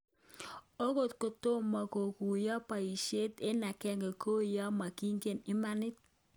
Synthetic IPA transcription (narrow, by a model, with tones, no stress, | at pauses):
o˦ko˦˨tko˨to˦ma˨ko˨ku˨jɔ˦pa˨i˨ʃe˦te˦na˨kɛ˦ŋɡe˨kʰo˦ja˦ma˨ki˦ŋɡe˦˨nɪ˦ma˦nɪ˦t̚